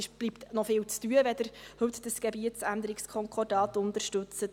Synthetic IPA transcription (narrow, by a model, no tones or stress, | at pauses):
ɪʃb̥liptnɔfɪːwt͡styəʋɛdəɾhɵt̪d̥əsɡ̥ɛbiətsænd̪əɾɪkskʰɔŋkχɔrdɑːt̪ʊnt̪əɾʃtɵt͡sət